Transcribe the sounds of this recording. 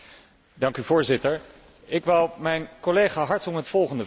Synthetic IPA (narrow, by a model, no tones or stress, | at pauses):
dɑŋkyvʊːɹzɪtəɹ | ɪkʋɪlˠmɛjnkolejχaːɦɑɹtɔŋɦətfɔlˠχəndə